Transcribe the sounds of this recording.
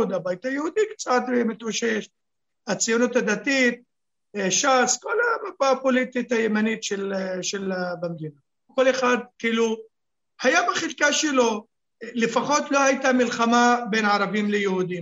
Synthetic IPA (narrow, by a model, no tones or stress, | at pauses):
d̪abajt̪ajhuːd̪ikt͡sat̪bemɪt̪aʃeʃ | ʔat͡sijunut̪had̪at̪iːt̪̚ | ʃaskolamabapolit̪it̪ajemaniːt̪ʃelʃelbamd̪iːna | kolexad̪̚kilu | hajabaχɪlkaʃelo | lɪfaxot̪lohajt̪amɪlxamabeːnʕɑɾˤɑbiːmlejhud̪i